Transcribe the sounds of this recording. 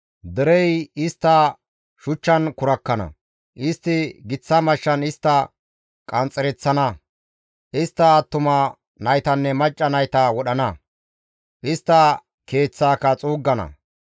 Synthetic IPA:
d̪ɛɾɛjɪst̪ːɐ | ʃʊt͡ʃːɐnkʊɾɐkːɐnɐ̰ | ʔɪst̪ːɪɡɪt͡sːɐmɐʃːɐnɪst̪ːɐ | kʼɐnt͡sʼːɛɾɛt͡sːɐnɐ | ʔɪst̪ːɐːt̪ːʊmɐ | nɐjt̪ɐnːɛmɐt͡ʃʼːɐnɐjt̪ɐwɔɗɐnɐ | ʔɪst̪ːɐ | ke̞ːt͡sːaːkɐt͡sʼuːɡːɐnɐ̰

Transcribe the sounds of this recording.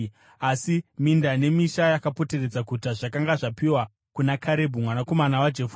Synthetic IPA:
asimindane̞miʃajakapo̞te̞re̞d͡zakutaʐakaŋɡaʐapiwa | kunakʰaɾe̞bʱumwanako̞manawad͡ʒefu̥

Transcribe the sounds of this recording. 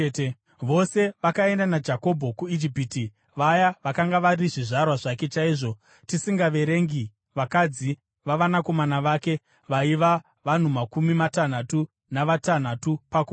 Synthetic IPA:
e | ʋo̞se̞ʋakae̞ndanad͡ʒako̞bʱo̞kuid͡ʒipiːti | ʋajaʋakaŋɡaʋaɾiʐiʐarwaʐake̞t͡ʃaiːʐo̞ | tisiŋɡaʋe̞ɾe̞ŋɡi | ʋakad͡zi | ʋaʋanako̞manaʋaːke̞ | ʋaiʋa | ʋan̤umakumimatan̤atu | naʋatan̤atupako

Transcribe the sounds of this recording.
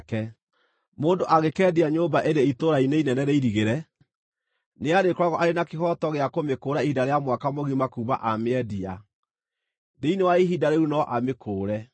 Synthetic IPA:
kɛ | moːndoʔaɣekɛdiaɲoːbaʔeɾeitoɾaineinɛnɛɾeiɾiɣeɾɛ | neaɾekɾaɣɔʔaɾenakehɔtɔɣeakomekoːɾaihidaɾeamwakamoɣimakuːβa̰ʔameɛdia | deinewaiɦidaɾeunɔʔamekʰoːɾɛ

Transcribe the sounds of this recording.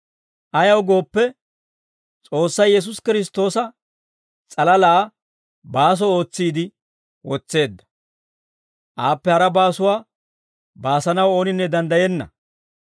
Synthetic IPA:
ʔɐjɐwɡo̞ːpːɛ | t͡sʼo̞ːsːɐjjɛs̬ʊskɪɾɪs̬t̪o̞ːsɐ | t͡sʼɐlɐlaː | baːs̬ɔo̞ːt͡sːiːd̪ɪ | wɔt͡sːe̞ːd̪ːɐ̥ | ʔaːpːɛhɐɾɐbaːsʊwaː | baːsɐnɐwoːnɪnːɛd̪ɐnd̪ɐjɛnːɐ̰

